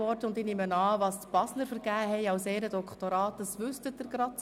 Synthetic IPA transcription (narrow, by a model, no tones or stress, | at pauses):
ɔɾdəʊndɪnɪmənɑːvɑːstb̥ɑsləɾfəɾɡ̥æːhɛɪɑwseːɾəd̥ɔkχtoɾɑːtəsʋʏstət̚ːəɾɡ̥ɾɑ